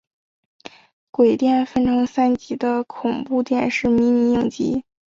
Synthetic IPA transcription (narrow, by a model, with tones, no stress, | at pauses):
kwe˨˩ɪt̪jɛ˥˩nfə˥nʈ͡ʂʰɤ˧˥ŋsa˥nt͡ɕi˧˥d̪ə˧kʰʊ˨˩ŋpu˥˧t̪jɛ˥˧nʂɻ̩˥˩mi˧˥ni˧˥jɤ˥˩ŋt͡ɕḭ˧˥